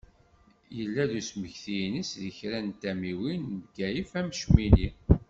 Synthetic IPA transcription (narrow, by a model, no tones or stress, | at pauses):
jəlːæðusməçθijnisðəçɾænt̪æmiwinvɡæjifæmʃmini